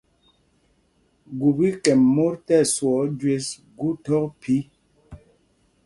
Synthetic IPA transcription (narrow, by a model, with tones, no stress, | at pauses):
ɡu˨bi˦kɛ˨mːo˦ɾtɛ˦˨swɔ˨˦d͡ʒwe˦s | ɡu˦tɔ˦k̚pʰi˦